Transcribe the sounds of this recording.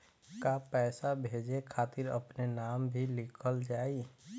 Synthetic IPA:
kapɛːsabʱeːd͡ʒekʰaːt̪ɪɾə̰pnenaːmbʱilɪkʰəld͡ʒaːi

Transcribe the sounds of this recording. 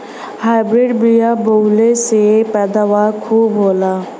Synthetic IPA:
haːɪbɾɪɖbijabolesepɛːd̪aːʋaːɾkʰuːbɦoːlaː

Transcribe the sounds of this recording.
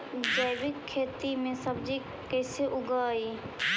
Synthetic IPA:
d͡ʒəɪbɪkʰːeːt̪imẽsəbd͡ʒi | kɛːseʔʊɡaːiː

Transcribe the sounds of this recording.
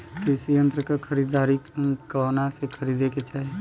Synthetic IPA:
kisijə̃nt̪ɾəkakʰəɾiːd̪aːɾikanasekʰəɾiːd̪eket͡ʃaːɦi

